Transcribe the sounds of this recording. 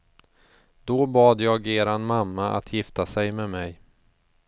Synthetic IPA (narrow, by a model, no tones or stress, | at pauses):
d̪̥obɑːd̪jɑːɡeːɾanmamːaʔa̰t̪ʰjɪft̪asɛjmɛmɛj